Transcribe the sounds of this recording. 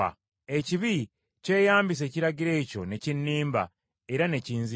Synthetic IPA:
e̞ciβi | ce̞ːjaːmbis̬e̞ːciɾaɟiɾe̞ːco̞ne̞cinːiːmba̰ | e̞ɾane̞ciːnzi

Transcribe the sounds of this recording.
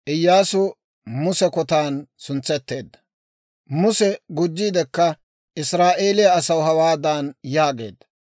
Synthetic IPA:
ʔɪjːaːsʊ | mʊsɛkɔt̪aːnsʊnt͡sːɛt̪ːe̞ːd̪ːɐ̥ | mʊsɛɡʊd͡ʒːiːd̪ɛkːɐ | ʔɪsɾaːʔeːlɪjɐɐsɐwɦɐwaːd̪aːnjaːɡe̞̰ːd̪ːɐ̥

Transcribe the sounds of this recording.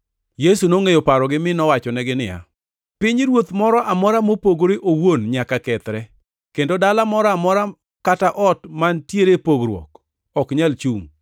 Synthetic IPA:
jesunoŋejopaɾɔɡɪmɪnɔwat͡ʃɔnɛɡɪnɪ̰ja̰ | pɪɲɾwot̪mɔɾɔʔamɔɾamopoɡoɾeʔowonɲakakɛt̪ɾɛ | kendodalamɔɾɔamɔɾa | kataʔɔtmantjeɾepoɡɾwɔ̰k | ɔkɲalt͡ʃuŋ

